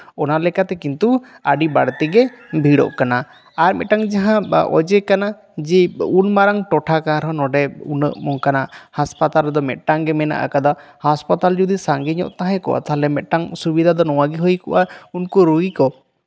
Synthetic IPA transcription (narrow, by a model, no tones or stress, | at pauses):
ɔnalɛkat̪ɛkint̪u | aɖibaɽt̪ɛɡɛbʱiɽɔ̰ʔkana | aɾmɛ̰t̪̚ʈaŋd͡ʒaɦãɔ̰d͡ʒɛkana | d͡ʒɛunmaɾaŋʈɔʈʰakaɾɦɔnɔɖɛṵnə̰ʔmɔŋkanaʔhaspat̪aɾɛd̪ɔmɛt̪̚ˀʈaŋɡɛmɛna̰ʔa̰kad̪ɔhaspat̪ald͡ʒud̪isaŋɡiɲɔ̰ʔt̪aɦɛ̃kɔ̰ʔa̰t̪aɦlɛmɛt̪̚ˀʈaŋsubid̪ʱad̪ɔnɔw̃aɡiɦɔjkɔ̰ʔaunkɔɾuɡikɔ